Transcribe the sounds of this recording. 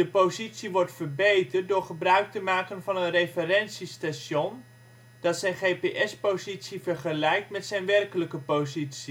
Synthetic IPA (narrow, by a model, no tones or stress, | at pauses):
dəpowzitsiʋɔɹtfərbejtərt̚dʊːɹχəbrœɥk̚təmaːkənvɑnənrejfərɛnsistaʃjon | d̥ɑtsɛjnχejpeʔɛspowzitsivərχəlɛjk̚tmɛtsɛjnʋɛrkələkəpowzitsi